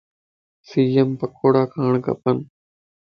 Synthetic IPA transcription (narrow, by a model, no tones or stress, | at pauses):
siːəmpəkʰoːɽaːkʰaːɳkə̰pən